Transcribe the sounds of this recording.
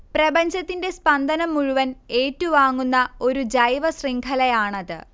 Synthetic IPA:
prɐbɐɲd͡ʑɐt̪ːinde̞spɐnd̪ʱɐnɐmːuɻuʋɐneːtːuʋaːŋːunːɐo̞ɾud͡ʑɐjʋɐsriŋkʰɐlɐjaːɳɐðɨ̰

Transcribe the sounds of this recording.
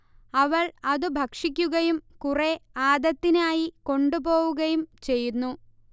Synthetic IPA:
ɐʋɐɭɐðɨbʱɐkʂikʲːuɣɐjumkureaːd̪ɐt̪ːinaːjiko̞ɳɖupo̞ːɣuɣɐjumt͡ɕe̞jːunːu

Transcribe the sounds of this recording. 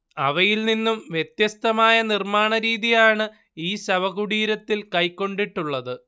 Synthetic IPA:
ɐʋɐjilninːumʋje̞t̪jɐst̪ɐmaːjɐnirmaːɳɐɾiːðijaːɳɨ | iːɕɐʋɐɣuɽiːɾɐt̪ːilkɐjkːo̞ɳɖiʈːuɭːɐðɨ

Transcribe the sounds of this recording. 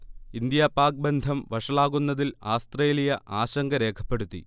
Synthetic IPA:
ind̪jaːpaːk̚be̞nd̪ʱɐmʋɐʂɐɭaːɣunːɐðilaːst̪re̞ːlijɐʔaːɕɐŋɡɐɾe̞ːkʰɐ̥pːe̞ɽut̪ːḭ

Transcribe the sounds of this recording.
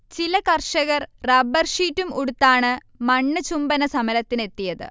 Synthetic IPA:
t͡ɕilɐkɐrʂɐɣɐrrɐbɐrʂiːtːumuɽut̪ːaːɳɨ | mɐɳːɨt͡ɕumbɐnɐsɐmɐlɐt̪ːine̞t̪ːijɐðɨ̰

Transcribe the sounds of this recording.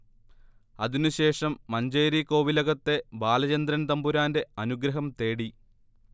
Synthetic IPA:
ɐðinɨɕe̞ːʂɐmːɐɲd͡ʑeːɾiko̞ːʋilɐɣɐt̪ːe̞baːlɐt͡ɕɐnd̪ɾɐnt̪ɐmbuɾaːnde̞ɐnuɡɾɐɦɐmt̪e̞ːɽi

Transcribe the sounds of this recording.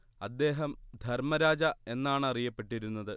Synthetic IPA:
ɐd̪ːe̞ːɦɐmd̪ʱɐrmɐɾaːd͡ʑɐe̞nːaːɳɨɐrijɐpːe̞ʈːiɾunːɐðɨ

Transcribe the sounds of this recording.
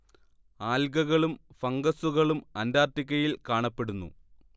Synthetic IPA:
aːlɡɐɣɐɭumfɐŋɡɐsuɣɐɭumɐndaːrt̪ikʲːɐjilkaːɳɐpːe̞ɽunːṵ

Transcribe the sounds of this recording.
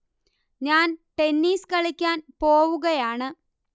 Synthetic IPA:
ɲaːnʈe̞nːiːskɐɭikʲːaːnpo̞ːʋuɣɐjaːɳɨ

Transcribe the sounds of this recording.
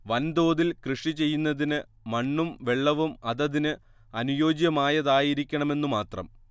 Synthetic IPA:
ʋɐnd̪o̞ːðilkrɨʂit͡ɕe̞jːunːɐðinɨ | mɐɳːumʋe̞ɭːɐʋumɐðɐðinɨ | ɐnujo̞ːd͡ʑjɐmaːjɐðaːjiɾikʲːɐɳɐme̞nːumaːt̪rɐ̰m

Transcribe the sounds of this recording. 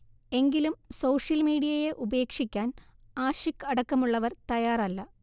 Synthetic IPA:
e̞ŋɡilumsoːʂjɐlmiːɽijɐjeʔube̞ːkʂikʲːaːn | aːɕikːɐɽɐkːɐmuɭːɐʋɐrt̪ɐjaːrɐlːɐ

